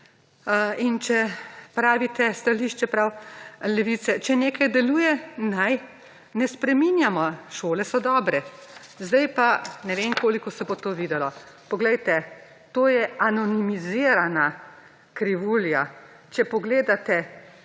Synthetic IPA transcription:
int͡ʃɛpɾaːʋit̪ɛst̪aliːʃt͡ʃɛpɾawlɛʋit̪sɛt͡ʃɛneːkajd̪ɛluːjɛnaj | nɛspɾɛminjamɔʃoːlɛsɔd̪ɔːbɾɛ | zd̪ajpanɛʋeːŋkoːlikɔsɛboːt̪oːʋiːd̪ɛlɔpɔɡlɛjt̪ɛ | t̪oːjɛanɔnimiziːɾana | kɾiʋuːlja | t͡ʃɛpɔɡleːd̪at̪ɛ

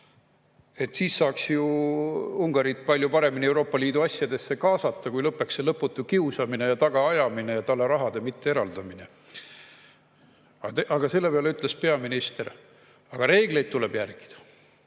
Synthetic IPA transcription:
e̞t̪ːˑsiːsːɑːksju | uŋɡ̥ɑɾit̪̚pɑlʲjupɑɾe̞minie̞wɾo̞ːpːˑɑliːd̪uɑsʲjɑd̪e̞sːe̞kɑːsɑt̪ːɑkujlɤpːˑe̞ksːelɤpːˑut̪ːˑukiusɑmine̞jɑt̪ɑɡ̥ɑɑjɑmine̞jɑt̪ɑlːeɾɑɦɑd̪̥e̞mit̪ːe̞e̞ɾɑld̪ɑmine | ɑt̪eʔɑɡ̥ɑse̞lːe̞peɑleyt̪ˑle̞spe̞ɑminist̪e̞ɾ | ɑɡ̥ɑɾe̞ːɡ̥le̞jd̪̚t̪ule̞b̥jærɡ̥i̥d̪̥ɑ̥

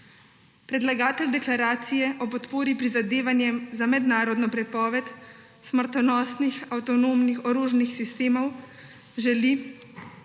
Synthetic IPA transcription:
pɾɛd̪laɡaːt̪ɛld̪ɛklaɾaːt̪sijɛʔɔpɔt̪poːɾipɾizad̪eːʋanjɛmzamɛd̪naːɾɔd̪nɔpɾɛpɔːʋɛt̪ | sməɾt̪ɔnɔːsnixawt̪ɔnoːmnixɔɾoːʒnixsist̪eːmɔw | ʒɛli

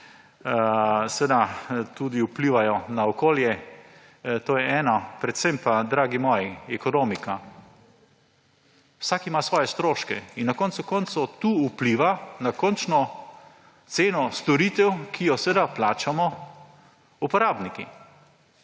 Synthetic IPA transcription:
sʋɛd̪at̪ud̪iupliːʋajɔnaɔkoːljɛ | t̪oːjɛɛːnapɾɛt̪sɛmpad̪ɾaːɡimɔːjiɛkɔnoːmika | wsakimasʋɔːjɛst̪ɾoːʃkɛinnakɔnt̪sukɔnt̪sut̪uːpliʋanakɔnt͡ʃnɔ | t̪seːnɔst̪ɔɾiːt̪ɛwkʰijɔsʋed̪aplaːt͡ʃamɔ | upɔɾaːbnikḭ

